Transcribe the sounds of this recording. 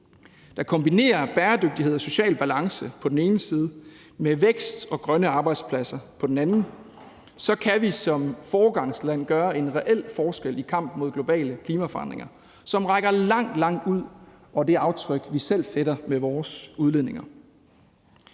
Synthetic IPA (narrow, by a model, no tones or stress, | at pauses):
d̥ɑ̈kʰɒ̽mb̥ine̝̰ːɐb̥æːɐd̥øɡ̥̚d̥ihe̝ð̞̰ˠɐso̝ɕɛ̰ːlb̥ælɑ̈ŋsəpʰɒ̽d̥en̩e̝ːnəsiːð̞ˠə | meʋeɡ̥sd̥ɒ̽ɡ̥ʁɶnəɑ̈ːb̥ɑ̈ɪd̥spʰlæsɐpʰɒ̽d̥en̩ænn̩ | sɒ̽kʰæʋisɒ̽mfɒːɡ̥ɑ̈ŋslæn̰ɡ̥ɶːɐe̝nʁɛʔel̰fɒːsɡ̥el̰ikʰɑ̈m̰b̥mo̝ð̰ˠɡ̥lo̝b̥ɛ̰ːləkʰliːmæfɒɑ̈n̰d̥ʁḛŋɐ | sɒ̽mʁɑ̈ɡ̥ɐlɑ̈ŋ̰d̥lɑ̈ŋ̰d̥uð̰ˠ | ɒ̽d̥e̝ɑ̈ʊt͡sʰʁœɡ̥ʋisel̰seɾɐmeʋɒːsuð̞ˠle̝ðˠne̝ŋɐ